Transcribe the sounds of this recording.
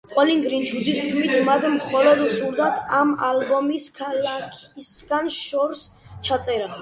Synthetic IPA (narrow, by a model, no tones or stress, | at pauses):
qʼwɛliŋɡɾint͡ʃʰud̪ist̪kʰmit̪ʰmad̪mχɔlɔd̪suɾd̪at̪ʰamalbɔmiskʰalakʰisɡanʃɔɾs | t͡ʃʰat̪sʼɛɾa